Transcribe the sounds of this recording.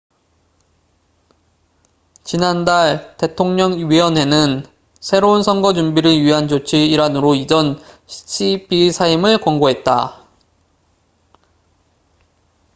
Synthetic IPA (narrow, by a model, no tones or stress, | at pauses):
t͡ɕinandaɭte̞tʰoŋɲʌŋɥiʌnɦe̞nɯn | sʰe̞ɾounsʰʌŋɡʌd͡ʑumbiɾɯɭɥiɦand͡ʑot͡ɕʰiːɾanɯɾoid͡ʑʌn | ɕʰibisʰaimɯɭkwʌŋɡoɦe̞t̚t͈a̰